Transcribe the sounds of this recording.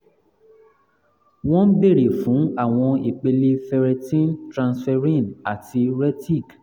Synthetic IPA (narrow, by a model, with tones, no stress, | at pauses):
w̃ɔ̃˦be˦˨ɾe˨fũ˨˦a˦˨w̃ɔ̃˧i˨k͡pe˧le˧fɛ˧ɾɛ˧tĩ˦ntɾã˧nsfɛ˧ɾĩ˦˨na˨ti˧ɾɛ˦ti˦˨ɡ